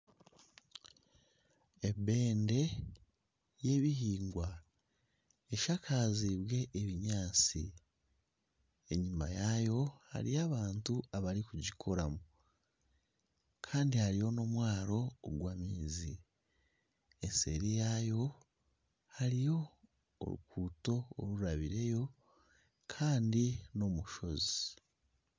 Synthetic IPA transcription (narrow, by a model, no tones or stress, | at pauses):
ebe̞ːnde̞ | je̞ːβiɦiːŋɡwa | e̞ʃakʰaziβwe̞ʔeβiɲaːt͡sḭ | e̞ɲima̰jajo̞ha̰ɾijaːβaːntuaβaɾikuɟikʰo̞ɾamu | kʰaːndihaɾijo̞no̞mwaːɾo̞ːɡwaːmiːzi | ense̞̰ɾijajo̞ | haɾijo̞̰ː | ɾṵkuːto̞o̰ɾuuɾaβiɾe̞jo̞ | kʰaːndino̞muʃo̞zi